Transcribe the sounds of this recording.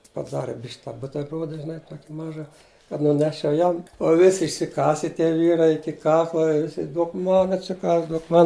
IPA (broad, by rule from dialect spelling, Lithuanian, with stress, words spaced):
pɐˈdɑːrʲɪ bʲɪʃʲkʲ tɑː ˈbʊtʲɛrˈbruɔdɐ ʒʲɪˈnɐɪ ˈtuɔkʲɪ ˈmɑːʒɐ kɐt nʊˈnʲæːʃʲt͡ʃʲɛʊ ˈjɛm ʊ ˈʋʲɪsʲɪ ɪʃʲsʲɪˈkɑːsʲɛ tʲiɛ ˈʋʲiːrɐɪ ˈɪkʲɪ ˈkɑːklˠɐ ˈʋʲɪsʲɪ ˈduɔk ˈmɐn ɐtʲsʲɪˈkɑːs ˈduɔk ˈmɐn